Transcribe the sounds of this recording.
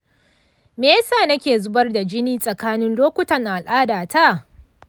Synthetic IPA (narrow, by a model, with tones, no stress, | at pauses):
meː˦saː˦˨nɐ˦kʲeː˨zʊ˦bɐ˦rda˨d͡ʒɪ˦niː˦sʼɐ˨kaː˦nɪ˦nloː˦kʷʊ˦tɐ˨ŋʔa˨lʔaː˦daː˨ta˦˨